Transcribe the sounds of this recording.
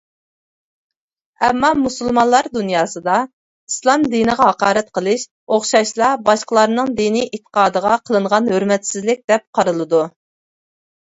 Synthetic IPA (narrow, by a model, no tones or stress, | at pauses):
ɛmːɑmusɨlˠmɑnlˠɑɾd̪unjɑːsɨd̪ɑ | islˠɑmd̪inɨʁɑɦɑqɑːɾɛt̪̚qʰəlˠɨʃ | oχʃɑʃlˠɑbɑʃqəlˠɑɾnɨŋd̪iniʔet̪ʰːə̥qɑːd̪əʁɑqʰəlˠɨɴʁɑnhøɾmɛt̪sɪzlɪk̚ʲd̪̥ɛp̚qʰɑɾɨlˠɨd̪u